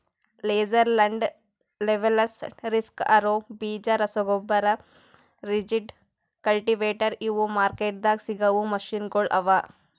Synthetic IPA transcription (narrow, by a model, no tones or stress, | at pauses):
leːd͡ʒɐɾlɐɳɖ | leʋelɐsɾiskɐɾoːbiːd͡ʒɐɾɐsɔɡobːɐɾɐ | ɾid͡ʒiɖ | kɐlʈiʋeːʈɐɾiʋumaːɾkeːʈ̚d̪aːɡsiɡɐʋumɐʃinɡoɭʔɐ̰ʋa